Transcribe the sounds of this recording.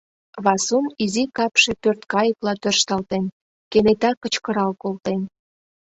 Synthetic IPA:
βɑsunizikɑpʃe̽pørt̪kɑjəplɑt̪ørʃt̪ɑlt̪en | kenet̪ɑkə̆t͡ɕkə̆ɾɑlkolt̪en

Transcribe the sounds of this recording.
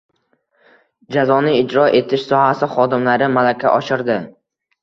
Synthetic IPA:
d͡ʒazɒnɪɪd͡ʒɾɒʔe̞t̪ʰɪʃsɒhasɪχɒd̪ɪmlaɾɪmalakʲʰa̰ʔɒʃɪɾd̪ɪ

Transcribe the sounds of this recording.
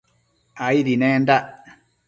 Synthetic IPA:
aiɾinɛnda

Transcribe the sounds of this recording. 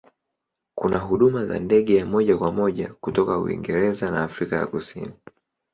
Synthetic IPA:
kunaɦuɗumaza̰ndɛɠɛjamɔʄakwamɔʄakutɔkaṵḭŋɡɛɾɛzanaːfɾikaja̰kusḭni

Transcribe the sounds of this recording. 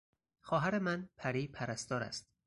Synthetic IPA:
xɒːɦæɾemænpʰæɾiːpʰæɾæst̪ɒːɾæ̰st̪̚

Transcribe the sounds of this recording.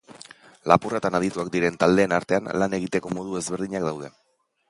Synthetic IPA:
lapurat̪anað̞it̪uak̚d̪iɾe̞nt̪ald̪e̞ːnaɾt̪e̞anlane̞ɣit̪e̞ko̞mo̞ð̞ue̞zβe̞ɾðiɲakd̪awð̞e̞

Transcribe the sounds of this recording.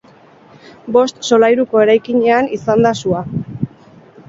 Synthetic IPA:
bo̞st̪so̞lajɾuko̞e̞ɾajkiɲe̞anisand̪asua

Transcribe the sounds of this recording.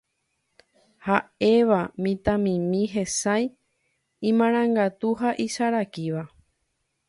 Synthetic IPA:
hae̞ʋamĩt̪ãmĩmĩɦe̞saj | ĩmãɾ̃ãŋɡat̪uɦaʔiʃaɾakiʋa

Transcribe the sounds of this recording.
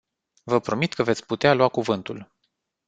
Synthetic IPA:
vəpɾo̞mit̪kəvet̪sʲput̪ealuakuvɨnt̪ul

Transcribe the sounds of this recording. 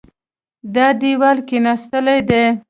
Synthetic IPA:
d̪ɑd̪iwalkenast̪əlajd̪e

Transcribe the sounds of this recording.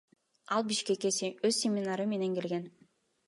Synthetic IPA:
ɑlˠbiʃke̞keøzsʲemʲinaɾɯme̞ne̞ŋke̞lɡe̞n

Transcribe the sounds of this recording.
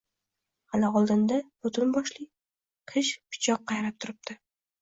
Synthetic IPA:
halɪɒlˠd̪ɪnd̪abʊt̪ʰʊnbɒʃlɪ | qʰɨʃpʰɪ̥t͡ʃʰɒqːɑjɾap̚t̪ʰʊɾɪp̚t̪ʰɪ

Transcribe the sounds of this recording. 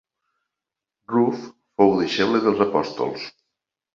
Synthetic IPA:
ruf | fowðeʃɛβleðəlˠzəpɔst̪o̰lˠs

